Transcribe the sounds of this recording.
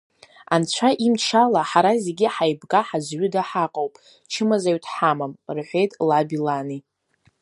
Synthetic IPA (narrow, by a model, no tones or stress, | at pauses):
ant͡ɕʷʰaʔimt͡ʃʰalaħaɾaze̞ɡʲiħajbɡʼaħazɥʷʏdaħaqʼowpʼ | t͡ʃʰɨmazaɥtʰħamamrħʷe̞jtʼlabilani